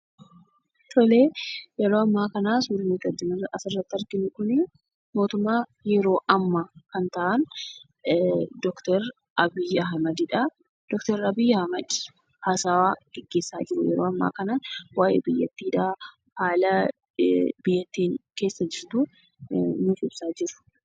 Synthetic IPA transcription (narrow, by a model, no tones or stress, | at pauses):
t̪ɔleːjɛɾoːɐmːaːkɐnaːsuːlmiːt̪ɐd̪ːɪnɪrɐʔɐsɪrːɐt̪ːɪɐɾɡɪnɪkʊnɪ | mo̞ːt̪ʊmːaːjɛɾo̞ːʔɐmːɐkɐnt̪ɐʔɐn | d̪ɔkt̪ɛɾ | ʔɐbɪɐɦɐmɐd̪ɪᶑɐ | d̪̥ɔkt̪ɛɾɐbɪjɐhɐmɐd̪ | haːsaːwaːɡ̥ɛɡːe̞ːsːaːd͡ʒɪɾʊ̰jɛ̰ɾoːɐmːa̰ːkɐnaːnwaːʔḛːbɪjːɐ̰t̪ːiːᶑa | haːlɐ | bɪjːɐt̪ːiːŋkeːsːɐd͡ʒɪɾt̪ʊ | nʊfɪb̥saːd͡ʒɪɾʊ̥